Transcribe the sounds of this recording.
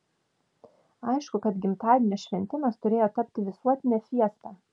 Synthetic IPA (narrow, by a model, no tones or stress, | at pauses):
ɐɪʃkʊkɐt̪ɡʲɪmt̪ɑːʋʲɪnʲɛsʲʃʲʋʲɛnʲt̪ʲɪnɐst̪ʊɾʲeːjoːt̪ɐpʲt̪ʲɪʋʲɪsuɔt̪ʲɪnʲɛfʲiɛst̪ɑː